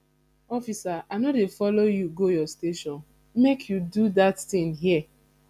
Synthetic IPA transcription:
ɔfisaʔanɔtefɔlojuɡojɔsteʃɔ̃n | mekʰjududattĩŋɦiɛ

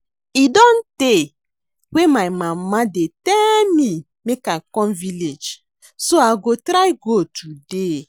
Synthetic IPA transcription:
idɔ̃nte | wemajmamadetɛlmĩ | mekakɔ̃nviled͡ʒ | soaɡotɾajɡotude

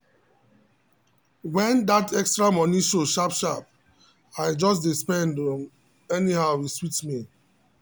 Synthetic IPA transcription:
wɛ̃nd̪atʰɛkstɹamɔniʃoʃapʃap | aɪd͡ʒɔs̬dispɛ̃ndɔ̃n | ɛnihaʊiswitmi

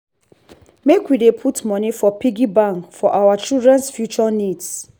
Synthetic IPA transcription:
mekwidepʰutmɔnifɔpiɡibãŋkfɔʔawat͡ʃildɹɛ̃nsfjut͡ʃɔnids

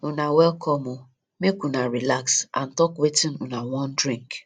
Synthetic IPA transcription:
ʊnawɛlkʰɔmʊ | mekunaɾilaksa̰n̩tɔkwetinʊnawɔ̃ndɾĩŋk

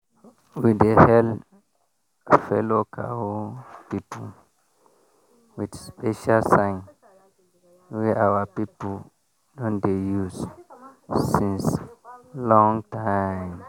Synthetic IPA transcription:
widehɛl | fɛlokʰa̰ | pipul | widspɛʃalsãŋ | wiawapipu | dɔ̃ndejus | sĩns | lɔ̃ŋtajm

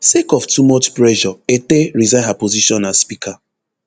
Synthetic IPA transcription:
sekɔftumɔt͡ʃpɾɛʒɔeteɾizaɦapoziʃɔ̃naspikʰa

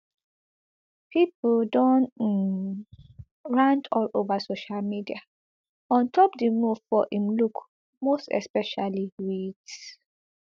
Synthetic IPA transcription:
pʰipldɔ̃nt | ɹãntʰɔlovasoʃalmidia | ɔ̃ntʰɔpdəmuvfɔʔĩmluk | mostɛ̰spɛʃaliwit

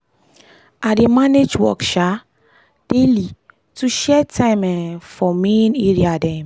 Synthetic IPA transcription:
ademaned͡ʒwɔ̰kʃa | d̥eli | tuʃɛtʰãɪ̃mɛ̃fɔmẽneɹiadɛ̃m

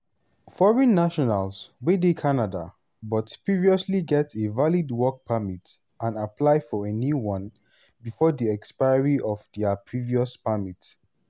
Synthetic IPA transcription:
fɔɹɛ̃nːaʃɔnalswedekʰanada̰ | bɔtpɹiviɔsliɡɛtʰevalidwɔk̚pʰamit | ãnapʰlaɪfɔenjuwɔ̃n | bifɔdiɛkspaɪɹiʔɔvdiapʰɹiviɔspamit

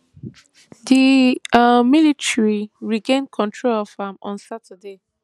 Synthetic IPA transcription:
diamilitɹiɹiɡẽn̚kʰɔ̃ntʰɹolɔfamɔ̃nsatʰəde

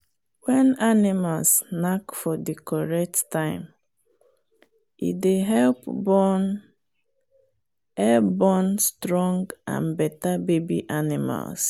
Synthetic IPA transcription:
wɛ̃nanimalsnakfɔdikɔɹɛk̚tːãɪ̃m | ḭdeɦɛlpbɔn | ɛlbɔnstɹɔ̃ŋɡã̰nbɛtabebḭʔanima̰ls

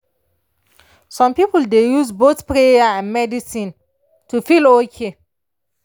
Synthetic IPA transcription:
sɔ̃mpipuldejuzbotpɹejaãnmɛdisĩn | tufilokʰe

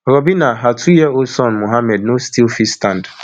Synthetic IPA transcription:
ɾɔbinaɦatʰujɛosɔ̃nmoɦamɛd̚nostilfistãnd

